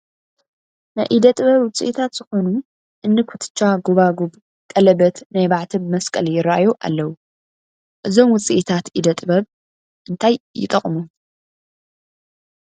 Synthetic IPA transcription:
najʔid̪ɐt̪ʼɨβɐβwʊt͡sʼḭʔit̪ʰat̪z̥ɨxo̞nu | ʔɨnːɨkʰut̪ʰɨ̥t͡ʃːaɡoβaɡub | kʼɐlɐbɐt̪najbaʕt̪ʰibɨmɐskʼɐljɪɾaʔa̰joʔa̰lːɐwu | ʔɨzo̞mwʊt͡sʼḭʔit̪ʰat̪ʔid̪ɐt̪ʼɨbɐβ | ʔɨnt̪ʰajːɪ̰t̪ʼɐχʼmu

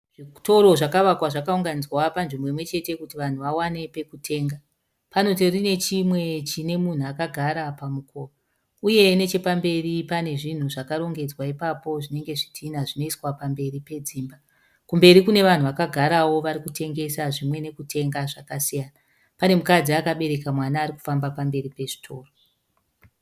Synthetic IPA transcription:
ʐito̞ɾo̞ʐakaʋakwaʐakauŋɡanid͡zwapanʐimbo̞imwe̞t͡ʃe̞te̞kutiʋan̤uʋawane̞pe̞kutʰe̞ːŋɡa | pano̞t̬irine̞t͡ʃimwe̞t͡ʃine̞mun̤uakaɡʱaɾapamuko̞ːa | uje̞ne̞t͡ʃe̞pambe̞ripane̞ʐin̤uʐakaɾo̞ŋɡe̞d͡zwaipapo̞ʐine̞ŋɡe̞ʐitʰinaʐino̞iswapambe̞ripe̞d͡ziːmba | kumbe̞ɾikune̞ʋan̤uʋakaɡʱaɾawo̞ʋaɾikutʰe̞ŋɡe̞saʐimwe̞ne̞kutʰe̞ŋɡaʐakasijana | pane̞mukad͡ziakaɓe̞ɾe̞kamwanaːɾiku̥fambapambe̞ɾipe̞ʐi̥tʰo̞̰ːro

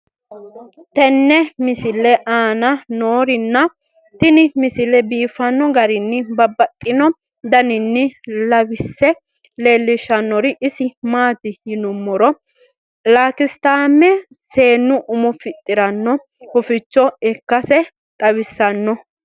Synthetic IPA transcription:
t̪ɛnːɛmɪsɪlɛʔaːnɐnoːɾɪnːɐ | t̪ɪnɪmɪsɪlɛbiːfɐnːɔɡɐɾɪnːɪbɐbːɐt̪ʼːɪnɔ | d̪ɐnɪnːɪlɐwɪsːɛ | le̞ːlːɪʃɐnːɔɾɪʔɪsɪmaːt̪ɪjɪnʊmːɔɾɔ | laːkɪst̪aːmːɛ | se̞ːnːʊʔʊmʊfɪt̪ʼːɪɾɐnːɔ | hʊfɪt͡ʃːɔɪkːɐsɛ | k̪ʼɐβɪsːɐnːɔ

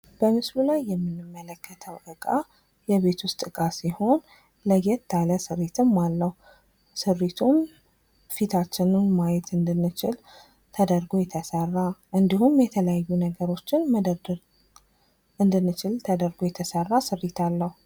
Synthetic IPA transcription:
b̥əmɨslulajːɛmːɨnːɨmːələkːət̪ʰəwʔɨkʼa | jɛβe̞t̪ʰwʊst̪ʼɨkʼasiho̞n | ləjɛt̪ʰːaləsɨɾet̪ʰɨmːalːəhu | sɨɾit̪ʰum | fit̪ʰat͡ʃːɪnɨmmajɛt̪ɨnd̪ɨnːɨt͡ʃɪl | t̪ʰəd̪əɾɡo̞jɛt̪ʰəsərːaʔɨnd̪ihumjɛt̪ʰələjajːunəɡəɾo̞t͡ʃːɪnməd̪ə | ʔɨnd̪ɨnːɨt͡ʃɪlt̪ʰəd̪əɾɡojɛt̪ʰəsərːasɨɾːit̪ʰalːəhu

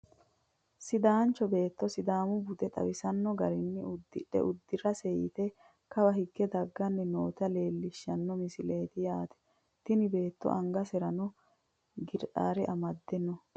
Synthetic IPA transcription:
sɪd̪aːnt͡ʃːɔbe̞ːt̪ːɔsɪd̪aːmʊbʊt̪ɛt̪ʼɐ̰wɪsɐnːɔɡɐɾɪnːɪʊd̪ːɪᶑɛ̰ʔʊd̪ːɪrɐsɛjɪ̰t̪ɛ | kɐbɐɦɪɡːɛd̪ɐɡːɐnːɛno̞ːt̪ɐle̞ːlːɪʃːɐnːɔmɪsɪle̞ːt̪ɪjaːt̪ɛ̥ | t̪ɪnɪbe̞ːt̪ːɔ̰ʔɐŋɡɐsɛɾɐnɔ | ɡɪɾʔaːɾɛʔɐmɐd̪ːɛnːɔ

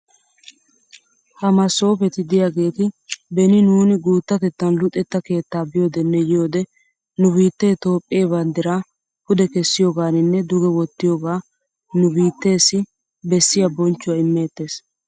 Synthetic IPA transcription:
hɐmɐso̞ːpɛt̪ɪd̪ɪjaɡe̞ːt̪ɪbɛnɪnuːnɪɡuːt̪ːɐt̪ɛt̪ːɐnlʊt̪ʼːɛt̪ːɐke̞ːt̪ːaːbɪjo̞ːd̪ɛnːɛjɪjo̞ːd̪ɛ | nʊbiːt̪ːeːt̪o̞ːpʼːeːbɐnd̪ɪɾaː | pʊd̪ɛkɛsːɪjo̞ːɡaːnɪnːɛd̪ʊɡɛwɔt̪ːɪjoːɡaː | nʊbiːt̪ːe̞ːsɪ | bɛsːɪjɐbɔnt͡ʃːʊwɐɪmːe̞ːt̪ːe̞ːs

